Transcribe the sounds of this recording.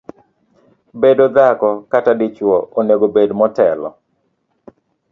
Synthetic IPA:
bedod̪akɔkatadɪt͡ʃwɔʔoneɡobedmɔtɛlɔ̰

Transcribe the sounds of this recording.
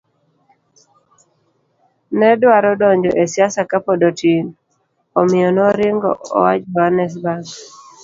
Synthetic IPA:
nɛdwaɾɔdɔɲd͡ʒɔʔesjasakapɔdotin | omɪjɔnɔɾɪŋɡɔ̰ʔo̰wat͡ʃbanɛs̬baɡ

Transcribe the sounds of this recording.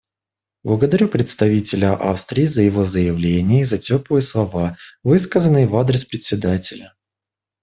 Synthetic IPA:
blˠəɡəd̪ɐɾʲupɾʲɪt̪st̪ɐvʲitʲɪlʲəʔa̰fst̪ɾʲɪːzəjɪvo̞zəjɪvlʲenʲɪjəizɐtʲopɨjəslˠɐvavɨskəzənːɨjəvad̪ɾʲɪspɾʲɪt̪ʲsʲɪd̪atʲɪlʲə

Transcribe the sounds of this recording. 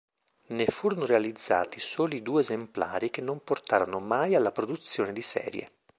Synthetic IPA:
nefuːɾonoɾealid̪zːa̰ːt̪isoːlid̪uːeːzempla̰ːɾikenːomport̪aːɾonomajalːapɾod̪ut̪sːjoːned̪isɛ̰ːɾjḛ

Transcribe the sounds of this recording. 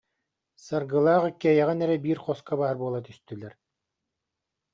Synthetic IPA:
saɾɡɯlˠaːʁɯkɛjɛʁɛnɛɾɛbiːɾχɔskabaːɾbuɔlˠat̪yst̪ylɛɾ

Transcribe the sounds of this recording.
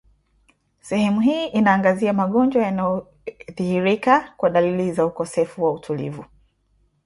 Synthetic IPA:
sɛhɛmuhiːʔinaːŋɡaziamaɠɔnd͡ʒwajanajɔ | ðihiɾikakwaɗalilizaukɔsɛfuwautʰulḭvu

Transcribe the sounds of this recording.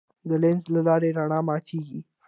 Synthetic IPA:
d̪əlɪnzlalɑɾeɾaɳɑmɑt̪ʰeɡi

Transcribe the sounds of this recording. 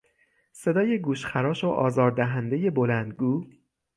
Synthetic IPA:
se̞d̪ɒːjeɡuːʃxæɾɒːʃoʔɒːzɒːɾd̪æɦænd̪e̞je̞bo̞lænd̪ɡuː

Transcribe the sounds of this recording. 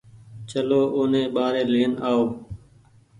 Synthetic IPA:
t͡ʃəloːʔʊːnẽːɓaːɾeːleːnaːoː

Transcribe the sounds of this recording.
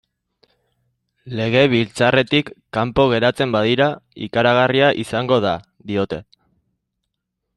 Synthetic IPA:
le̞ɣ̞e̞β̞ilt͡sare̞t̪ikːampo̞ɣ̞e̞ɾat͡se̞mbaðiɾaḭkaɾaɣ̞ariaʔisaŋɡo̞ð̞a | ðio̞t̪e̞

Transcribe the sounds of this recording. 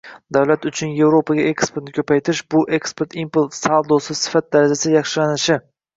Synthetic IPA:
d̪awlat̪ʊt͡ʃʰʊnje̞vɾopʰaɡʲaʔe̞kspeɾt̪nɪkʲʰɵpʰajt̪ʰɪɾɪʃbʊʔe̞kspeɾt̪ʰimplt̪salˠd̪osɪsɪ̥fat̪̚d̪aɾad͡ʒasɪjɑχʃɪlanɪʃɪ

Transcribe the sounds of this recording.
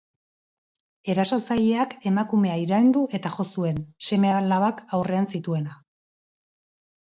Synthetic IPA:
e̞ɾaso̞saʎe̞ake̞makume̞aiɾajnd̪uʔe̞t̪aʝo̞sue̞nse̞me̞alaβakawre̞ansit̪ue̞na

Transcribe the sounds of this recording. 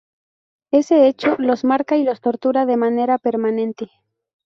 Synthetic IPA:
e̞se̞et͡ʃolo̞zmaɾkailo̞st̪o̞ɾt̪uɾaðe̞mane̞ɾape̞ɾmanẽ̞nt̪e

